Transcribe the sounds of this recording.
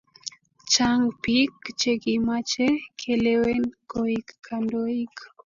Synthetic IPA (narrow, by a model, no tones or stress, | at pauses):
t͡ʃaŋpikt͡ʃeɡimat͡ʃekʰelewɛnkoikːandoik